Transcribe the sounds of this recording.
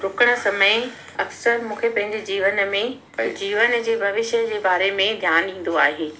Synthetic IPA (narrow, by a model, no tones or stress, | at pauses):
ɾʊkəɽ̃ə̆sɐməj | ɐksəɾmũːkʰepɐ̃ɦɪ̃ɲd͡ʑed͡ʑiːʋənmẽ | d͡ʑiːʋənd͡ʑeːbʱɐʋɪʃəd͡ʑeːbaːɾemẽd̪ʱjaːnĩːn̆d̪oaːɦeː